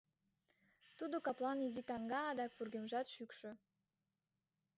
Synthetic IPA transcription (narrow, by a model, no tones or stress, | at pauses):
t̪ud̪okɑplˠɑnizikɑŋɡɑːd̪ɑkvurɡemʒɑt̪ʃykʃø̆